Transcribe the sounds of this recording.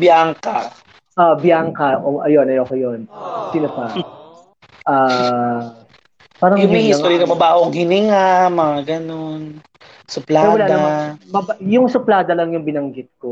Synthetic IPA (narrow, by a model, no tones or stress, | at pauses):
bjaŋka | ʔabjaŋkɐʔoʔɐjonɐjokɐjonsiːnopɐ | ʔaː | paːɾɐjʊŋɐjɪŋt̪oːɾjɐnɐmɐbaːʔoŋhɪnɪŋamɐŋaɡɐnon | sʊplaɛɾwɐlaːd̪nɐmɐmɐbjʊŋsʊplaːd̪ɐlɐŋjʊŋbɪnɐŋɡɪt̪̚ko